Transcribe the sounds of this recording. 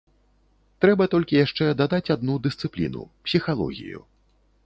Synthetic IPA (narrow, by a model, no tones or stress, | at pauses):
t̪ɾɛbɐt̪ɔlʲkʲijaʂt͡ʂɛd̪ad̪at͡sʲad̪nud̪ɨst̪sɨplʲḭnṵpsʲixalˠɔ̰ɣʲḭjṵ